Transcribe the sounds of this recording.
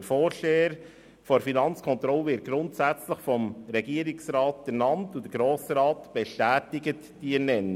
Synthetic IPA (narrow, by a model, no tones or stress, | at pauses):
əɾfoːɾʃeːəɾ | foɾfinɑnt͡skʰɔnt̪ɾɔləʋɪt̚ɡɾʊntsæt͡sləχfɔmɾɛɡiəɾɪksɾɑːtɛɾnɑntud̥əɡɾoːsɾɑːtb̥ɛʃtæːtɪɡət | d̥iɛɾnɛn